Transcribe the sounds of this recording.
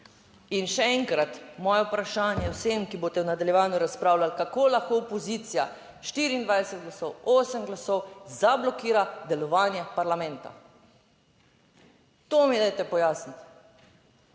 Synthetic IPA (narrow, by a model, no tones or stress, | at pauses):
inʃɛɛŋkɾat̪mɔːjɛwpɾaʃaːnjɛwsemkiboːt̪ɛwnad̪aljɛʋaːnjuɾaspɾaːwlalkakoːlaxkoɔpɔziːt̪sija | ʃt̪iːɾiːnd̪ʋajsɛt̪̚ɡlasɔwoːsəmɡlasɔwzablɔkiːɾad̪ɛlɔʋaːnjɛpaɾlamɛ̃nt̪a̰ | t̪oːmid̪ajt̪ɛpɔjaːsnit̪